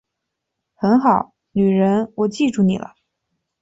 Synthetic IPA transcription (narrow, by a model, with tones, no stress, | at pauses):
xə˧˥nxɑ˨˩˦ʊ | ny˨˩ɻə˧˥nwɔ˨˩t͡ɕi˥˧ʈ͡ʂu˥˩ni˨˩lə̰˦